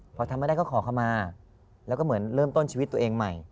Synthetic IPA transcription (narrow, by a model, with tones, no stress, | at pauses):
pʰɔ˧t̪ʰmːa˥˩a˥˩kʰːkʰɔː˩˦kʰa˥˩wmaː˧ | lɛ˦˥kɔː˥˩mɯ˩˦ənɾɤː˥˩mt̪o˥˩nt͡ɕʰiː˧wt̪ːu˧ə˧ʔeː˧ŋma˨˩j